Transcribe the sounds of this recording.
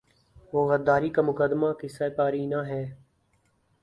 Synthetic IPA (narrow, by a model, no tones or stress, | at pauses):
ʋoːɣəd̪ːaːɾiːkaːmʊkəd̪maːkɪsaːpaːɾiːnãːɦɛː